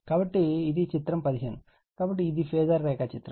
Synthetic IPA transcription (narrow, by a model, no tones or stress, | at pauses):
kɐʋɐʈːiɪðit͡ʃɪt̪ɾɐmpɐðɪɣɐn | kɐʋɐʈːiɪðifeːðɐɾːeːkaːt͡ʃɪt̪ːɾɐm